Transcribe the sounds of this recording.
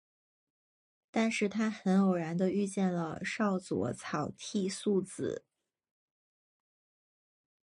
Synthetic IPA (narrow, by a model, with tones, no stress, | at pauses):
t̪a˥˧nʂɻ̩˥˩t̪ʰa˥xə˧˥njo˨˩ʊɻa˧˥nd̪ə˧y˥˧t͡ɕjɛ˥˩nlə˩ʂɑ˥˩ʊt͡swɔ̰˧˥t͡sʰɑ˨˩ʊt̪ʰi˥˧su˥˩t͡sɹ̩̰˨˩˦